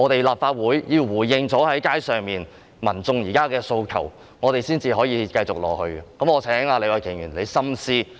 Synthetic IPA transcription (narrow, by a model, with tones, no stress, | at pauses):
ŋɔː˨˧t̪e˨jlaː˨p̚faː˧t̚wuː˨˥jjiː˧wwuː˨˩jjɪ˧ŋt͡sɔː˨˥hɐ˨˥jkaː˥jsœː˨ŋmiː˨n | mɐ˨˩nt͡sʊ˧ŋjiː˨˩kaː˥kɛː˧so˧wkʰɐ̰˨˩w | ŋɔː˨˧t̪e˨jsiː˥nt͡siː˧ɦɔː˨˥jiː˨˧kɐ˧jt͡sʊ˨k̚lɔ̰ː˨k̚hɵ˧ɥɛ˨kɐ˨˥mɔː˨˧t͡sʰɛː˨˥nɪ˨˥ŋhaː˧le˨˧jwɐ˨˩jkʰɪ˨˩ŋjyː˨˩nle˨˧jsɐ˥msiː˥